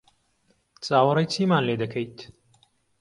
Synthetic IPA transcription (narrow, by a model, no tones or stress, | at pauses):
t͡sʼaːwɐɾɐjt͡sʰiːmaːnleːd̪ɐkʰɐjt̪